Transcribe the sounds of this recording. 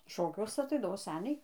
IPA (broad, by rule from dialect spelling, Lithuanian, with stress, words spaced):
ˈʃoːkʲuɔsʲɛ ɐˈtɐɪdɐʋoː ˈsʲæːnʲɛɪ